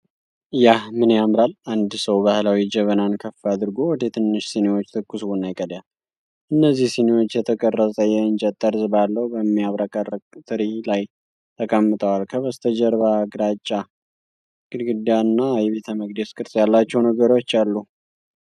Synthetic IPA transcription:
jahmɨnjamɾaland̪səwbahlawid͡ʒəβənankʰəfːad̪ɨɾɡo̞wɔd̪et̪ʰɨnːɨʃsenewo̞t͡ʃːt̪ʰɨkːɨswunːajkʼəd̪jal | ʔɨnːəzːihsenewo̞t͡ʃːjɛt̪ʰəkʼərːəsʼəjɛɨnt͡ʃʼɛt̪ʼːəɾzɨbalːəwbəmːiaβɾakʼərkʼt̪ʰʼɨɾilaj | t̪ʰəkʼəmːɨt̪ʼəwalkʰəβəst̪ʰəd͡ʒəɾβaɡɾat͡ʃʼːa | kʼɨd̪ɡɨd̪jaɨnːajβe̞t̪ʰəməɡd̪eskʼɨɾsʼjalːat͡ʃːɛwnəɡəɾo̞t͡ʃːalːu

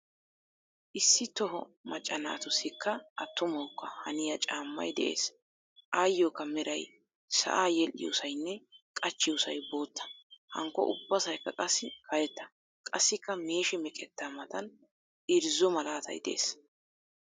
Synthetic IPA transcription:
ʔɪsːɪt̪ɔɦɔmɐt͡ʃʼːɐna̰ːt̪ʊsːɪkːɐʔɐt̪ːʊmɐwkːɐhɐnɪjɐt͡ʃʼaːmːɐ̰jd̪ɛʔe̞̰ːs | ʔaːjːoːkːɐmɛɾɐj | sɐ̰ʔaːjɛlʔɪ̰jo̰sɐjnːɛkʼɐt͡ʃːɪʊsɐjbo̞ːt̪ːɐ̥hɐ̰ŋkːɔ̰ʔʊ̰bːɐsɐjkːɐkʼɐsːɪkʰɐjɛt̪ːɐ̥ | kʼɐsːɪkːɐmeːʃɛmɛkʼɛt̪ːamɐt̪ɐn | ɪɾzɔmɐlaːt̪ʰɐ̰jd̪ɛʔḛːs

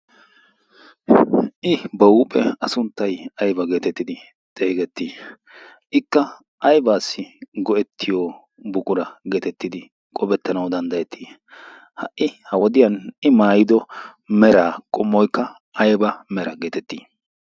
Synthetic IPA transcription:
ʔɪbɐuːpʼɛɐsʊnt̪ːɐjɐjbɐɡe̞ːt̪ɛt̪ːɪd̪ɪ | t̪ʼe̞ːɡɛt̪ːiː | ʔɪkːɐ | ʔɐjbaːsːɪɡɔɛt̪ʰːɪjoː | bʊkʼʊɾɐɡeːt̪ɛt̪ːɪd̪ɪ | kʼɔbɛt̪ːɐnɐwd̪ɐnd̪ɐjɛt̪ʰːiː | hɐʔɪhɐwɔd̪ɪjɐnɪmaːjɪd̪ɔmɛɾaːkʼɔmːɔjkːɐ | ʔɐjbɐmɛɾɐɡe̞ːt̪ɛt̪ːiː

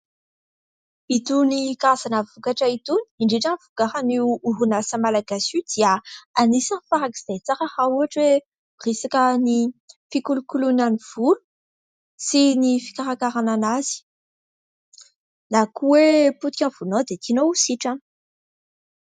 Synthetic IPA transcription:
it̪unikaazanavukaʈ͡ʂait̪uni̥iɳɖ͡ʐiʈ͡ʂanvukaɦaniːɦunasəmalaɡasud̪̥iaanisanfaɾaki̥zajt͡saɾahauaʈ͡ʂwe | risakʲənifikulukulunaniv̥ulu̥ | sinifi̥kaɾakaɾananaz̥i̥ | nakuweput̪i̥kʲãnv̥unod̪et̪ʰinousiʈ͡ʂan

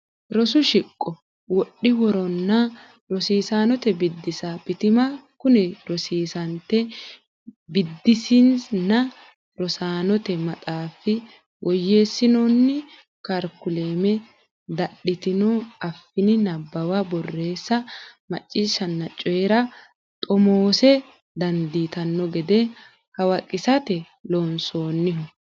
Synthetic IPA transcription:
ɾɔsʊʃɪkʼːɔ | wɔɗːɪwɔɾɔnːɐ | ɾɔsiːsaːnɔt̪ɛbɪd̪ːɪsabɪt̪ɪmɐkʊnɛɾɔsiːsɐnt̪ɛ | bɪd̪ːɪsinsnɐ | ɾɔsaːnɔt̪ɛmɐt̪ʼaːfɪ | wʔɔjːeːsːɪnɔnːɪ | kɐɾkʊle̞ːmɛ | d̪ɐɗɪt̪ɪnɔɐfːɪnɪnɐbːɐwɐbɔrːe̞ːsːɐmɐ̰t͡ʃʼːiːʃɐnːɐt͡ʃʼːɔɛɾɐ | t̪ʼɔmoːsɛ | d̪ɐnd̪iːt̪ɐnːɔɡɛd̪e | kɐwɐkʼːɪsɐt̪ɛ | loːnsoːnːɪɦʊ

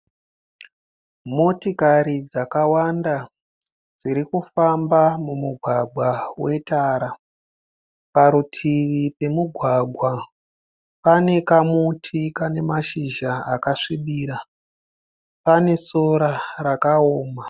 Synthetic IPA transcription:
motikaɾid͡zakawanda | d͡ziɾikufambamumuɡʱwaɡʱwawe̞taːɾa | paɾutʰiʋipe̞muɡʱwaɡʱwa | pane̞kamutʰikane̞maʃiʒaakaʂiɓiːɾa | pane̞so̞ɾarakaoːma

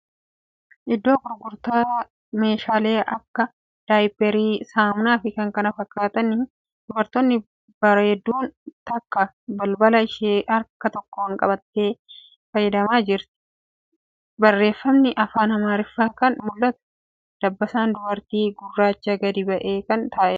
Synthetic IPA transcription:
ʔɪd̪ːoːɡʊɾɡʊɾt̪aː | me̞ːʃaːle̞ːʔɐkːɐ | d̪̥aːjpɛɾiːsaːmʊnaːfɪkɐŋkɐnɐfɐkːaːt̪ɐnɪ | d̪̥ʊbɐɾt̪onːɪ | bɐɾɐhɛd̪ːuːnt̪ɐkːɐ | bɐlbɐlɐɪʃeːʔɐɾkːɐt̪ɔkːɔɐŋkʼɐ̰bɐt̪ːe̞ː | fɐjːɛd̪ɐmaːd͡ʒɪɾt̪ɪ̥ | bɐrːe̞ːfːɐmnɪʔɐfaːnɐmaːɾɪfːaːkɐnmʊlːɐt̪ɐ̥ | d̪̥ɐbːɐsaːnd̪ʊbɐɾt̪iːɡʊrːaːt͡ʃːɐɡɐd̪ɪbɐʔeːkɐnt̪aːʔɛ

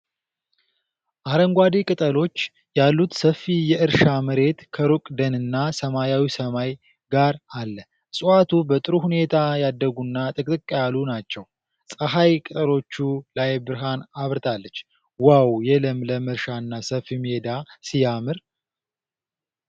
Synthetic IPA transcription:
ʔaɾəŋɡʷad̪ekʼɨt̪ʼəlo̞t͡ʃː | jalːut̪səfːijɛʔɨɾʃaməɾe̞t̪kʰəɾukʼd̪ənɨnːasəmajawisəmaj | ɡaɾalːə | sʼuat̪ʰubət̪ʼɨɾuhune̞t̪ʰajad̪ːəɡunːat̪ʼɨkʼt̪ʼɨkʼːjalunat͡ʃːɛw | sʼəɦajkʼɨt̪ʼəlo̞t͡ʃːulajbɨɾɦanaβɾɨt̪ʰalːət͡ʃː | wawjɛləmləmɨɾʃaɨnːasəfimhed̪asijamɨɾ

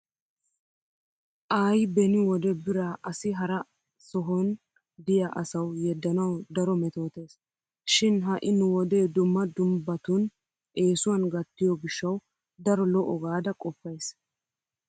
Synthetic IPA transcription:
ʔaːjbɛnɪwɔd̪ɛbɪɾaʔɐsɪɦɐɾɐ | sɔɦɔn | d̪ɪjaʔɐsɐwjɛd̪ːɐnɐwd̪ɐɾɔmɛt̪o̞ːt̪e̞ːs | ʃɪnɦɐʔɪnʊwɔd̪ed̪ʊmːɐd̪ʊmbɐt̪ʊn | e̞ːsʊwɐnɡɐt̪ːɪjɔɡɪʃːɐw | d̪ɐɾɔlɔʔɔɡaːd̪ɐkʼɔfːɐjs

